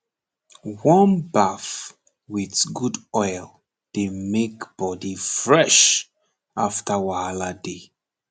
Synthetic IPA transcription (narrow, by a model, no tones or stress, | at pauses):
wɔ̃nbaf | witɡudɔɪl | d̥emekb̥ɔdifɹɛʃ | aftawaalade